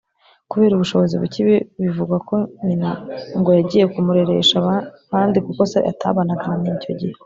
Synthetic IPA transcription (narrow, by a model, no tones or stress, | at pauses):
kuβe̞ːɾuβuʃo̞βo̞ziβuciβiβivuɡwako̞ɲinaŋɡo̞jaɟiːje̞kumuɾe̞ɾe̞̰ʃaβa | haːndikuko̞sḛʔa̰tʰa̰βanaɡahaminico̞ɟihe